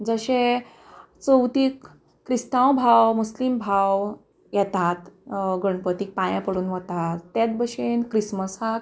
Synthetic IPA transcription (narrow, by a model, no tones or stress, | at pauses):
d͡zəɕẽ | t͡səwt̪iːkː | ɾist̪ãwbʱawmuslimbʱaw | jɛt̪at̪ɡəɳpət̪iːk̚pãjãpəɽuːnʋət̪at̪ːet̪̚bəɕenkɾisməsak̚